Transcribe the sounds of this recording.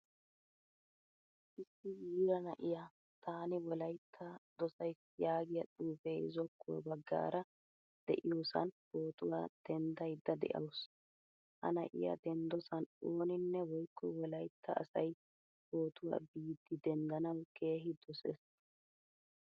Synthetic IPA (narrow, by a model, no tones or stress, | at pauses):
ʔɪsːɪjiːɾɐnɐʔɪja | t̪aːnɪwɔlɐjt̪ʰːɐd̪̥ɔsɐjs | jaːɡɪjɐtʼuːfeːzɔkːʊwɔ̰bɐɡːa̰ːɾɐ | d̪̥ɛʔɪjoːsɐ̰nbo̞ːt̪ʊwa̰ːd̪̥ɛnd̪ɐjd̪ːɐd̪ɛ̰ʔɐ̰ws | hɐ̰nɐ̰ʔɪ̰jɐ̰d̪ɛnd̪ɔsɐnoːnɪnːɛwɔjkʰːɔwɔlɐjt̪ʰːɐ̰ːsɐj | poːt̪ʊwa̰ːbiːd̪ːɪd̪ɛnd̪ɐnɐwke̞ːɦɪd̪ɔsḛs